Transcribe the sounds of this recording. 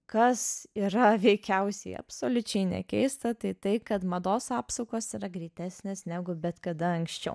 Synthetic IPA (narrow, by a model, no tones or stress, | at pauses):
kɐsiːɾɐʋʲɛɪkʲɛʊsʲɛɪɐ̰psoːlʲʊt͡ʃʲɛɪnʲɛ̰kʲɛɪst̪ɐt̪ɐɪt̪ɐɪkɐt̪mɐd̪oːsɑːpsɐʊkoːsiɾɐɡɾʲiːt̪ʲæːsʲnʲeːsnʲæɡʊbʲɛt̪kɐd̪ɐɐŋksʲt͡ʃʲɛ̰ʊ